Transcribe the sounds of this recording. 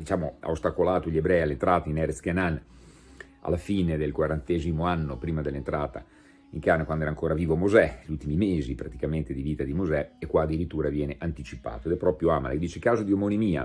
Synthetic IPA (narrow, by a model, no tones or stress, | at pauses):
d̪it͡ʃaːmoa̰ost̪akolaːt̪oʎebɾɛjalːent̪ɾaːt̪ainɛɾeskenan | a̰lːafiːned̪elkwaɾant̪eːzimoanːopɾiːmad̪elːent̪ɾaːt̪a̰ | iŋkanekwand̪oɛːɾaŋkoːɾaviːvomozɛʎult̪imimeːzipɾat̪ikament̪ed̪iviːt̪ad̪imozɛekːwaːd̪ːiɾit̪ːuːɾavjɛːneʔant̪it͡ʃipa̰ːt̪oed̪ɛpːɾɔpɾjoaːma̰lḛd̪iːt͡ʃekaːzod̪iomonimiːa̰